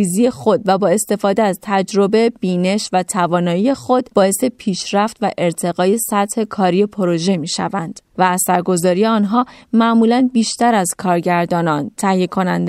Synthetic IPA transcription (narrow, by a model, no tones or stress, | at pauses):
izije̞xo̞d̪væbɒːe̞st̪e̞fɒːd̪eæzt̪ʰæd͡ʒɾo̞be̞b̥iːne̞ʃvæt̪ʰævɒːnɒːije̞xo̞d̪bɒːje̞se̞pʰiːʃɾæft̪væʔe̞ɾt̪ʰe̞ɣɒːje̞sæt̪he̞kʰɒːɾijepʰoɾo̞ʒe̞miːʃæ̰vænd̪̥væːsæɾɡo̞zɒːɾije̞ɒːnɦɒːmæʔmuːlænbiːʃt̪æɾæzkʰɒːɾɟæɾd̪ɒːnɒnt̪ʰæhije̞kʰo̞nænd̪e